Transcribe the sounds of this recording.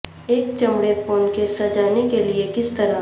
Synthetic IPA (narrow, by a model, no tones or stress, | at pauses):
eːkt͡ʃɐ̃mɽefoːnkesɐd͡ʒaːnekeliekɪst̪ɐɾa